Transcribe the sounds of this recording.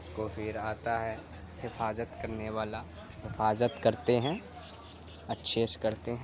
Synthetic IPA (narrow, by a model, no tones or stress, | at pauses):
koːfiːɾaːt̪aɦɛː | hɪfaːzət̪kɐɾneʋaːla | ɦɪfaːzət̪kɐɾt̪eɦɛ̃ː | ɐtːʃʰeːʃkɐɾt̪eɦɛ̃